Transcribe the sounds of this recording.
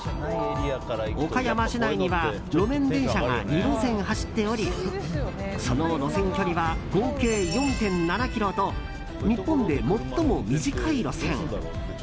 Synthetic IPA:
okajamaɕinaiɲ̟iβa | ɾo̞mẽ̞nd̪ẽ̞ɰ̃ɕaɡa̰ɲʲiɾo̞sẽ̞ɰ̃haɕi̥t̪ːe̞o̞ɾʲi | so̞noɾo̞sẽ̞ŋkʲo̞ɾʲiβaɡ̥o̞ːke̞ːjõ̞nt̪ẽ̞nnanakʲiɾo̞t̪o̞ | ɲ̟ipːõ̞nd̪e̞mo̞t̪ːo̞mo̞mʲiʑikʰaiɾo̞sẽ̞ŋ

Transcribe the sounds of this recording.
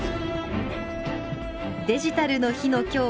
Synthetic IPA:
d̪e̞ʑit̪aɾɯ̟no̞çino̞kʲo̞ː

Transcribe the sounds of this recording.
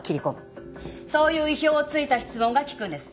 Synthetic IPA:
kʲiɾʲikõm | so̞ːjɯ̟ːiço̞ːt͡sɨit̪açi̥t͡sɨmõ̞ŋɡakʲi̥kɯ̟̃nd̪e̞sɨ̥

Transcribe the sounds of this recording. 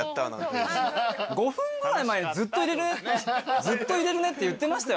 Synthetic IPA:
t̪ːa̰ | ɡo̞fɸɯ̟̃ŋɡɯ̟ɾaimaeɲizɨt̪ːo̞iɾe̞ɾɯ̟nezɨt̪ːo̞iɾe̞ɾɯ̟ne̞t̪ːejɯ̟t̪ːe̞maɕi̥t̪ajo

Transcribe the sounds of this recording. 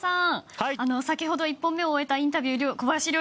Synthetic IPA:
sãhano̞sakʲiɦo̞d̪o̞ipːõ̞mːe̞oːe̞t̪aĩnt̪̬abʲjɯːɾʲokobajaɕiɾʲo

